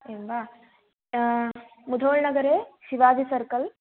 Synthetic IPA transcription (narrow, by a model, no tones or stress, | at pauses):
emʋa | mud̪ʱoːɭnɐɡɐɾeːʃiʋaːd̪ʱisɐɾkɐl